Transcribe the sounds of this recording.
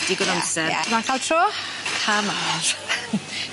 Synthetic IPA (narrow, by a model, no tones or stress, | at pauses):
d̥iɡɔnɔmsɛmakʰaːlˠtʰroː | kʰamaɾ